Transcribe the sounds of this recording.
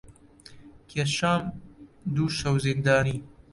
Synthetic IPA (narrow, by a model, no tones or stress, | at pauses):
kʰeʃaːmd̪uːʃɐwzek̚d̪aːniː